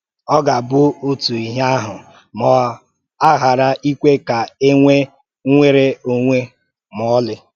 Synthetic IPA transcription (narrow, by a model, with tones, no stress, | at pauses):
ɔ˦ɡa˨bʊ˦o˦tu˨i˨ɦa˦ɦʊ˨ | mɔ˨ | a˦ɦa˨ɾa˦ʔi˦kʷe˦ka˨e˦ŋʷe˦ | ŋʷe˦ɾe˦o˦ŋʷe˦ | m˨ɔ˦lɪ˦